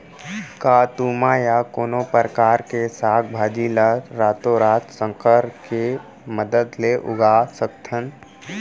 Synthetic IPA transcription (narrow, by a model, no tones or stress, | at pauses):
kaːt̪uːmajakoːnopəɾəkaːɾkesaːk̚ʰbʱaːd͡ʒiləɾaːt̪oɾaːt̪sə̃ŋkəɾke | məd̪əd̪leʔʊ̰ɡasəkt̪ʰən